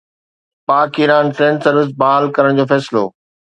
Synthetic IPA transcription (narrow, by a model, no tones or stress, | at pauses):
paːkiːɾaːnfɾẽːɳʈsɐɾʋɪs̬baːəlkɐɾəɽ̃d͡ʑoːfɛːsɪlo̰ː